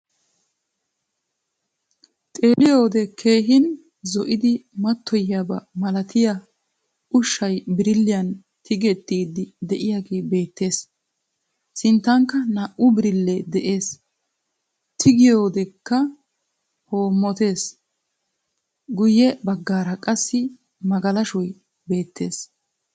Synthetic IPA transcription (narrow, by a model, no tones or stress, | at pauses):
t̪ʼe̞ːlɪjoːd̪ɛkʰe̞ːɦɪn | zɔʔɪd̪ɪmɐt̪ːɔjabɐmɐlɐt̪ɪjɐ | ʔʊʃːɐjbɪɾɪlːɪjɐn | t̪ʰɪɡɛt̪ːiːd̪ːɪd̪ɛʔɪjaːɡe̞ːbe̞ːt̪ːe̞ːs | sɪnt̪ːɐŋkːɐnaːʔʊbɪɾɪlːɛd̪ɛʔe̞ːs | t̪ʰɪɡɪjo̞ːd̪ɛkːɐ | ho̞ːmːɔt̪e̞ːs | ɡʊjɛbɐɡːaːɾɐkʼɐsːɪ | mɐɡɐlɐʃɔj | be̞ːt̪ʰːe̞ːs